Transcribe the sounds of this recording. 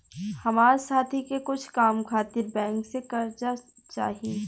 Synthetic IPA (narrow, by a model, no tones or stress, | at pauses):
hɐmaːɾesaːt̪ʰikekʊt͡ʃʰkaːmkʰaːt̪ɪɾbɛ̃ːŋksekɐɾd͡ʒa | t͡ʃa̰ːɦieː